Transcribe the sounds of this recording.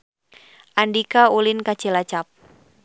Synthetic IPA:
ʔandikaulinkat͡ʃilat͡ʃap̚

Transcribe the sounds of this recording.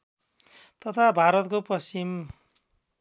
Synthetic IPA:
t̪ʌt̪ʰabʱaɾʌt̪koprʌst͡ʃim

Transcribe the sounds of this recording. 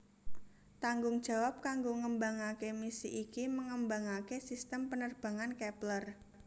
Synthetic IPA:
t̪aŋɡʊŋd̥ʒ̥ä̤wap̚kaŋɡoŋəmbaŋakemisḭʔikiməŋəmbaŋakesist̪əmpənərb̥a̤ŋankɛplər

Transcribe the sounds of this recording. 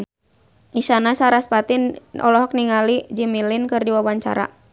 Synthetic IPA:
iʃanasaɾaspat̪inʔɔ̰lɔɦɔk̚niŋalid͡ʒimilinkɨrdiwawaɲt͡ʃa̰ɾa̰

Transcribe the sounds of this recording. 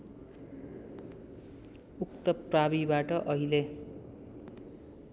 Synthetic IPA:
ukt̪ʌprabibaʈʌʔʌɦile

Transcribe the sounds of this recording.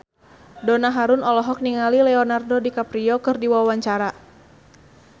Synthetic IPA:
dɔnaɦaɾʊnɔlɔɦɔk̚niŋalilɛɔnardɔdikapɾiɔkɨrdiwawaɲt͡ʃaɾa

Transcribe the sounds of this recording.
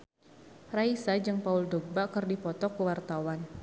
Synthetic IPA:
raisad͡ʒɨŋpauldɔɡ̚bakərdipɔt̪ɔkuwart̪awan

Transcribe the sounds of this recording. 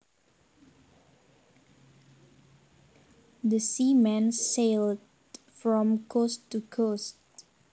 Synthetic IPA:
dəsimɛ̃nseld | fɹɔ̃mkʰostːukʰost

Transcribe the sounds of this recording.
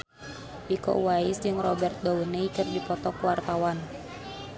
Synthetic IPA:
ʔikɔ̰ʔwaisd͡ʒɨŋrɔbɛrt̪̚dɔuneikɨrdipɔt̪ɔkuwart̪awan

